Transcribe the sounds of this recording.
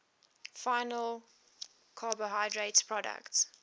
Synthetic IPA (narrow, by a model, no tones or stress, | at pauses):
faɪnəl | kʰɑːbəɦaɪdɹetspʰɹɔdə̰kts